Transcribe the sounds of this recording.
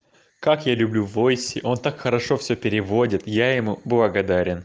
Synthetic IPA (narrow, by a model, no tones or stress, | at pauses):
kakjalʲʊblʲuvo̞jsʲɪʔo̞nt̪akxəɾɐʂo̞fsʲɵpʲɪɾʲɪvo̞dʲɪt̪jajɪmublˠɐɡɐd̪aɾʲɪn